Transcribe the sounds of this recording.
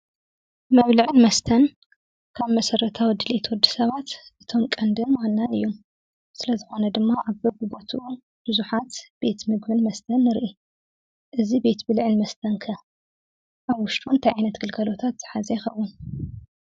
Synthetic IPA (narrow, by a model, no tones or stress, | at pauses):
mɐβlɨʕɨnmɐst̪ʰɐn | kʰaβmɐsɐrɐt̪ʰawid̪ɨlet̪ʰwɔd̪ːisɐβat̪ʔɨt̪ʰo̞mkʼɐnd̪ɨnwanːanɨjːom | sɨlɐzɨxo̞nɐd̪ɨmːaʔaβbɐɡubɐt̪ʰuʔu | b̥ɨzuħat̪b̥e̞t̪mɨɡbɨnmɐst̪ʰɐnːɨɾʔi | ʔɨzibe̞t̪bɨlʕɨnmɐst̪ʰɐnkʰɐ | ʔaβwʊʃt̪ʼunt̪ʰajʕajnɐt̪ɡɨlkʰɐlo̞t̪ʰat̪z̥ɨ̥ħazɐjxɐwːʊn